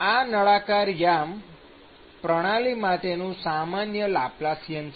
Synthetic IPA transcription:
anəɭakaɾjam | pɾəɽ̃alimaʈenũsamanjəlaplasijəns

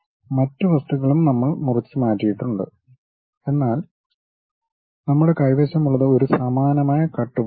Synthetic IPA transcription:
mɐtːɨʋɐst̪uɣɐɭumnɐmːɐɭmurɐt͡ɕːɨmaːtːijiʈːuɳɖɨ̰ | e̞nːaːl | nɐmːuɽe̞kɐjʋeːɕɐmuɭːɐðɨo̞ɾusɐmaːnɐmaːjɐkɐʈːu

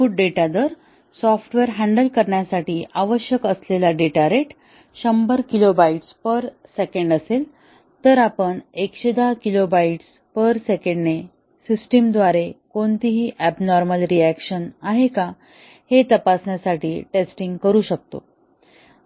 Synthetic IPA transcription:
fuʈ̚ɖeʈad̪əɾ | sɔfʈʋeɾɦæ̃ɳɖəlkəɾɳjasaʈiːʔaʋəɕjəkəslelaɖeʈaɾeʈ | ɕəmbəɾkilobaiʈspəɾsekə̃ɳɖəsel | t̪əɾapəɳekɕed̪akilobaiʈs | pəɾsekəɳɖne | sisʈimd̪ʋaɾekoɳt̪iɦiːʔæbnɔɾməlɾiækɕənaɦeka | het̪əpasɳjasaʈiːʈesʈiŋɡkəɾuːɕək̚t̪o̰

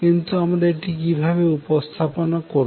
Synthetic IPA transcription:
kint̪uamɾaeʈikibʱaβeupost̪ʰaponakoɾ

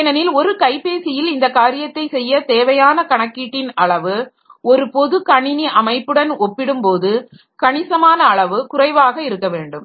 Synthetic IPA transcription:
nɐnɪlɔɾɯkɐɪpeːsɪjɪlɪnd̪ɐkaːɾɪjɐt̪ːɐɪsɛjːɐt̪eːʋɐjaːnɐkɐɳɐkːiːʈːɪnɐɭɐʋɯ | ɔɾɯpɔðɯkɐɳɪniʔɐmɐɪpːɯɽɐnɔpːɪɽɯmpoːðɯ | kɐɳɪsɐmaːnɐːɭɐʋɯkʊrɐɪʋaːɣɐɪɾɯkːɐʋeːɳɖɯm

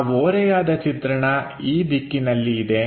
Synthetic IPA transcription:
ʋoːɾɛjaːd̪ɐt͡ʃit̪ɾɐɳɐ | iːbikːinɐlːiːd̪e̞

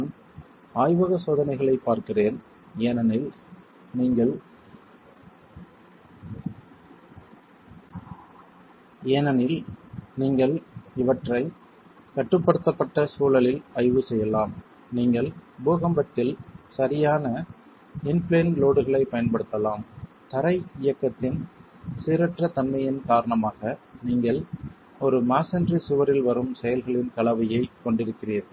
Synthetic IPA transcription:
n | aːjʋɐɣɐsoːðɐnɐɪɣɐɭɐɪpːaːɾkɪreːn | eːnɐnɪl | niːŋɡɐɭ | eːnɐnɪlniːŋɡɐɭɪʋɐʈrɐɪ | kɐʈːɯpːɐɽɯt̪ːɐpːɐʈːɐsuːlɐlɪlɐɻɪʋɯsɛjːɐlaːm | niːŋɡɐɭbuːɣɐmbɐt̪ːɪlsɐɾɪjaːnɐ | ɪnpleːnloːɽɯɣɐɭɐɪpɐjɐnpɐɽɯt̪ːɐlaːm | t̪ɐɾɐɪɪjɐkːɐt̪ːɪn | sɪɾɐʈrɐt̪ɐnmɐjɪnkaːɾɐɳɐmaːɣɐniːŋɡɐɭ | ɔɾɯmaːsɐndrisʊʋɐɾɪlʋɐɾɯmsɛjɐlɣɐɭɪnkɐɭɐʋɐjɐɪkɔɳɖɪɾɯkːɪriːɾ

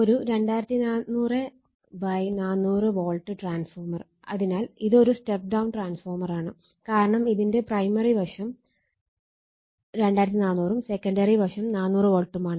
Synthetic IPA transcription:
o̞ɾuɾe̞ɳɖaːjɾɐt̪ːinaːnːuːre | bɐjnaːnːuːrɨʋo̞ːɭʈːɨʈraːnsfoːrmɐr | ɐ̰ðinaːliðo̞ɾusʈep̚ɖɐwnʈraːnsfoːrmɐraːɳɨ | kaːɾɐɳɐmiðinde̞prɐjmɐribɐʂɐm | ɾe̞ɳɖaːjɾɐt̪ːinaːnːuːrumsekːɐɳɖɐriʋɐʂɐmnaːnːuːrɨʋo̞ːɭʈːumaːɳɨ

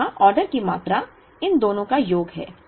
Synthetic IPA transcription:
aʔɔːɾɖəɾkimaːt̪ɾa | ɪnd̪oːnõkajoːɡɦɛ̰ː

